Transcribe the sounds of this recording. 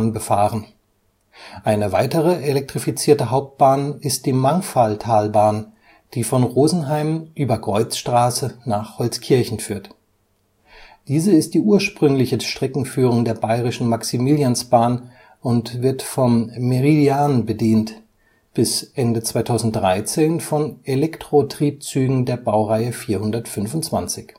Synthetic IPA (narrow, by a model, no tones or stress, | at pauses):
nbəfaːʁən | ʔaɪnəvaɪtəʁəʔelɛk̚tʁ̥ifit͡siːɐtəɦaʊp̚t̚b̥aːnɪst̚d̥iːmaŋfaltʰaːlbaːn | d̥iːfɔnʁoːzn̩ɦaɪmʔyːbɐkʁ̥ɔʏt͡sʃtʁ̥aːsənaːχhɔlt͡skʰɪɐçn̩fyːɐt | d̥iːzəɪst̚d̥iːʔuːɐʃpʁ̥ʏŋlɪçəʃtʁ̥ɛkŋ̩fyːʁ̞ʊŋdeːɐbaɪʁɪʃn̩maksimiːljansb̥aːn | ʔʊntv̥ɪɐtfɔmːeʁidiaːnbədiːnt | b̥ɪsʔɛndət͡sv̥aɪtʰaʊzn̩t̚d̥ʁaɪt͡seːnfɔnelɛktʁ̥otʁ̥iːp̚t͡syːɡŋ̩deːɐbaʊʁaɪəfiːɐhʊndɐtfʏnfʊntt͡sv̥ant͡sɪç